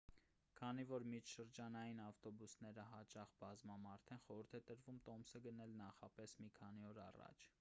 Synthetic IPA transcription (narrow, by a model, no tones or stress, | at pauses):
kʰɑnivɔɾmit͡ʃʰʃəɾd͡ʒɑnɑjinɑft̪ɔbusnɛɾəɦɑt͡ʃɑχbɑzmɑmɑɾt̪ʰɛnχɔɾəɾt̪ʰɛt̪əɾvumt̪ɔmsəɡənɛlnɑχɑpɛsmikʰɑniɔɾɑ̰rɑ̰t͡ʃʰ